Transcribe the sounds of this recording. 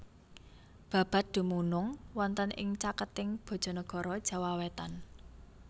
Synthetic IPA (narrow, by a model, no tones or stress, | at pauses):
b̥ä̤b̥a̤t̪̚d̪̥ṳmunʊŋwɔnt̪ənʔɪ̰ŋt͡ʃakət̪ɪŋb̥ɔ̤d̥ʒ̥ɔ̤nɔɡ̥ɔ̤ɾɔd̥ʒ̥ä̤wawet̪an